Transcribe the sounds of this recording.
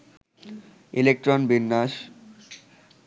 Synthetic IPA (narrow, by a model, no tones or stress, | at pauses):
ilek̚ʈɾonbinːaʃ